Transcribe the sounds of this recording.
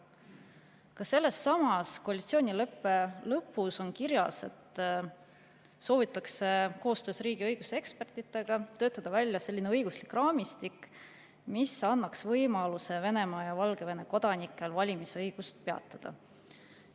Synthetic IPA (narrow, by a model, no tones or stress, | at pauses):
kɑse̞lːesːɑmɑsko̞ɑlʲit̪sio̞ːnʲilɤpːˑe̞lɤpːˑuso̞nkiɾjɑse̞̰t̪ | so̞ːvit̪ːˑɑkse̞ko̞ːst̪ø̞ːsriːɡ̥iɤjɡ̥useekspe̞rt̪ˑit̪ːˑe̞ɡ̥ɑt̪ø̞ːt̪ːˑɑd̪̥ɑvælʲːjɑse̞lʲːineɤjɡuslikˑrɑːmist̪ik | misɑnːɑksvɤjmɑluse̞ve̞ne̞mɑːjɑvɑlɡ̥e̞ve̞ne̞ko̞d̪̥ɑnikːˑe̞lvɑlʲimisɤjɡ̥ust̪̚peɑ̰t̪ːˑɑd̪̥ɑ̰